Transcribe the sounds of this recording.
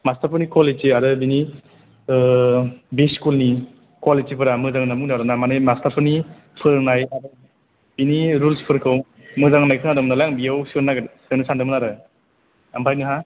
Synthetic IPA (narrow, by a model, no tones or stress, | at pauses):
mastaɾpʰɯɾnikɔleiadɯbini | beskulni | kɔlet͡ʃipʰɯɾamɯzaŋnamuŋnaɾanamanejmastapʰɯɾni | pʰɯɾnajadɯ | biniɾulspʰɯɾkʰɯw | mɯzaŋnajkʰɯnadɯmnalaŋbijawsɯnaɡɯsenɯsʰandɯmɯnaɾɯ | ampʰajnɯɦa